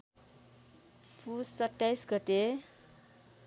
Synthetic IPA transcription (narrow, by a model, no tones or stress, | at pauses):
pʰusʌʈːajsɡʌt̪e